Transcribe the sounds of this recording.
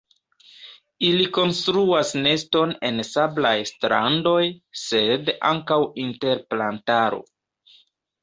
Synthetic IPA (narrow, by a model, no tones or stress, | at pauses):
iliko̞nstɾuasne̞sto̞ne̞nsablajstɾa̰ndo̞jse̞da̰ŋkawinte̞ɾplantaɾo̞̰